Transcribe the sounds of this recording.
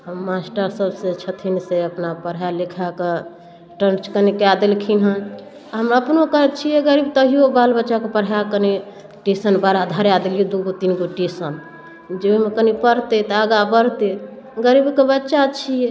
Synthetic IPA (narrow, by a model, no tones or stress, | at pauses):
ɦəmːasʈəɾsəbsẽt͡ʃʰət̪ʰinseəpnapəɾjalekʰake | ʈənt͡ʃkənikad̪elkʰinɦən | ɦəməpnokət͡ʃʰijɛɡəɾibt̪əɦijobalbətːʃakepəɽ̤ɦjakəni | ʈisənbaɾad̪ʱaɾjad̪elijud̪uɡot̪inɡoʈesən | d͡ʒeimekənipəɾt̪et̪əaɡabəɾt̪e | ɡəɾibkebətːʃat͡ʃʰijɛ